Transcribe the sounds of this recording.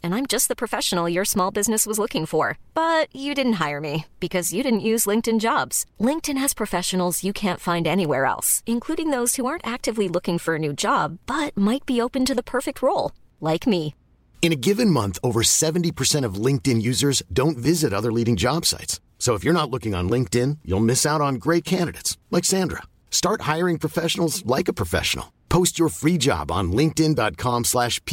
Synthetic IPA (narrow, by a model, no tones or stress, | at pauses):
ɨ̃nãɪ̃md͡ʒʌst̪̚ðəpʰɹ̥ɨfɛʃən̩l̩ˠjə˞smɔlˠbɪznɨswʌzlʊkɪ̃ŋfə˞b̥ʌt͡ʃɨdɪdⁿn̩t̚ɦaɪə˞mib̥ɨkʰʌzjɨɾɪdⁿn̩ʔjʉzlɪ̃ŋk̚tɨ̃nd͡ʒɑbz̥lɪ̃ŋk̚tɨ̃nɨz̥pʰɹ̥ɨfɛʃɨn̩l̩ˠzjɨkʰæ̃ntfãɪ̃ndɛñiwɛɹɛ̰lˠsɨ̃nkʰl̥uɾɪ̃ŋðoʊz̥huɑɹntæk̚tɨvlilʊkɪ̃ŋfə˞ɨnʉd͡ʒɑbːʌt̚maɪt̚b̥ioʊpɨ̃ntɨðəpʰɜ˞fɨk̚t̚ʰɹoʊlˠ | laɪkmi | ɨ̃ñɨɡɪvɨ̃nmʌ̃nθoʊvə˞sɛvn̩tipʰə˞sɛ̃ɾ̃ʌvlɪ̃ŋk̚tɨ̃njʉzə˞zdõʊ̃ntvɪzɨɾʌðə˞liɾɪ̃ŋd͡ʒɑb̥sa̰ɪts | soʊəfjə˞ñətˡlʊkɪ̃ŋə̰̃nlɪ̃ŋk̚tɪ̃njṵlˠmɪsaʊɾn̩ɡɹeɪt̚kʰæ̃ndɨɾeɪtslaɪksæ̃ndɹə̰ | stɑɹt̚haɪə˞ɪ̃ŋpʰɹ̥əfɛʃn̩l̩ˠzlaɪkəpʰɹ̥əfɛ̰ʃn̩l̩ˠpʰoʊst͡ʃə˞fɹid͡ʒɑ̰b̃n̩lɪ̃ŋk̚tɪ̃ndɑt̚kʰɑ̃mslæʃpʰ